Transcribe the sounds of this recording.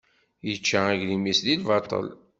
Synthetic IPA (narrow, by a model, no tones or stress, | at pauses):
jət͡ʃːaæʝlimislilvɑt̪ˤə̰l